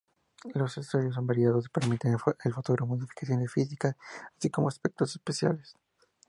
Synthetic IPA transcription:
lo̞sest̪uðjos̬o̞mbaɾjað̞o̞si̥peɾmit̪enelfot̪oɣɾammoðifi̥kasjo̞nefis̬ikasːsiko̞moaspe̞k̚t̪osespesja̰les

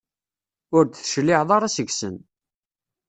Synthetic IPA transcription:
ʊɾt͡s̪θʃlːɪʕðˤɑɾˤasəɡsə̰n

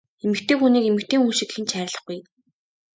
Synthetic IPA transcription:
emɘ̆kt̪ʰeːxuniːkemɘ̆kt̪ʰeːŋxunʃikxɘ̆nt͡ɕʰæːɾ̆ʲɮə̆χɡuj

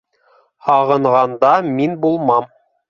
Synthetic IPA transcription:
hɑʁɤ̆ɴʁɑnd̪ɑminbulˠmɑm

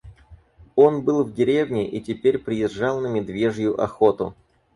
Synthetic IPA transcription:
o̞nbɨlˠvdʲɪɾʲevnʲɪʔitʲɪpʲeɾʲpɾʲɪjɪʐɑlˠnəmʲɪd̪vʲe̞ʐjʊʔɐxo̞t̪ʊ

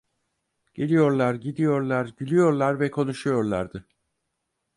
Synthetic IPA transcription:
ɟ̥e̞lʲijo̞ɾlˠaɾɟid̪ijo̞ɾlˠaɾɟylʲyjo̞ɾlˠaɾvɛkʰo̞nuʃujo̞ɾlˠaɾd̪ɯ

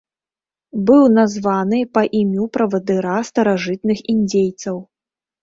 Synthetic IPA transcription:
bɨwnazvanɨpɐʔimʲupɾɐvɐd̪ɨɾast̪ɐɾaʐɨt̪nɨxinʲd͡zʲejt̪sɐw

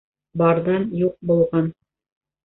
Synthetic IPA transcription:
bɑɾðɑnjuq̚bulˠʁɑn

